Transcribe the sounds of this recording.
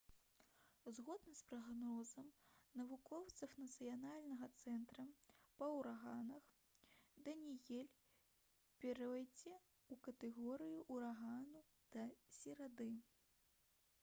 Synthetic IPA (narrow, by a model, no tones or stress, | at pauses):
zɣɔd̪nɐspɾɐɣanɾɔzɐmnɐvukɔwt̪sɐfnɐt̪sɨjanalʲnɐɣɐt̪sɛnt̪ɾɐpɐwɾaɣanɐx | d̪ɐnʲijɛlʲ | pʲɛɾɐajd͡zʲɛ | ukɐt̪ɛɣɔɾɨjuʔuɾaɣanu | d̪̥ɐsʲɛɾad̪ɨ